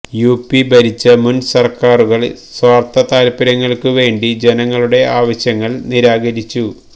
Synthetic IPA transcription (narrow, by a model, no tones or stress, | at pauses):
juːpːibɐɾit͡ɕːɨmunsɐrkaːruɣɐɭsʋaːrt̪ɐt̪aːlpɐɾɐŋːɐɭkɨʋe̞ːɳɖid͡ʑe̞nɐŋːɐɭuɽe̞aːʋɐɕjɐŋːɐɭniɾaːɡɐɾit͡ɕːu